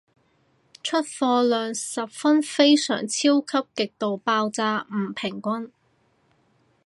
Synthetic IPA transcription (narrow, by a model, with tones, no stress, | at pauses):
t͡ʃʰɵ˥t̚fɔː˧lœː˨˩ŋsɐ˨p̚fɐ˥nfe˥jsœ̰ː˨˩ŋt͡sʰi˥wkʰɐ˥p̚kɪ˨k̚t̪o˨wpaː˧wt͡saː˧m̩˨˩pʰɪ˨˩ŋkʷɐ˥n